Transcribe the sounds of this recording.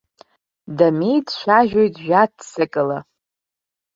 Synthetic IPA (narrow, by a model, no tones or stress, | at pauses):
damejdʃʷaʒᶣojtʼʒᶣat̚ːsɨkʼɨla